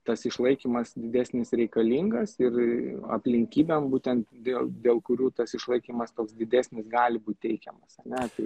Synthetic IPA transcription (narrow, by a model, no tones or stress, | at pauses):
t̪ɐsɪʃlˠɐɪkʲiːmɐsd̪ʲɪd̪ʲæːsʲnʲɪsɾʲɛɪkɐlʲiŋɡɐsɪrɐ̰pʲlʲɪŋʲkʲiːbʲɛmbuːt̪ʲɛnt̪d̪ʲeːlˠd̪ʲeːlˠkʊɾʲuːt̪ɐsɪʃlˠɐɪkʲiːmɐst̪oːksd̪ʲɪd̪ʲæːsʲnʲɪsɡɑːlʲɪbuːt̪̚ʲtʲɛɪkʲɛmɐsɐnʲɛt̪ɐɪ